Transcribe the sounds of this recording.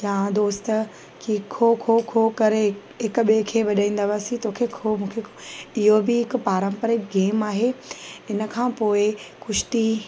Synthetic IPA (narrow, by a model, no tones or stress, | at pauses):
jãːd̪oːst̪ə | kiːkʰokʰokʰokɐɾe | ɦɪkʊɓekʰeʋɐɗaːĩːn̆d̪aʋaːsĩt̪oːkʰekʰomũːkʰekoɪɦobɪɦɪkʊ̆paːɾə̃mpəɾekɡeːmaːɦeɪnə̆kʰãːpoːɪkʊʃt̪i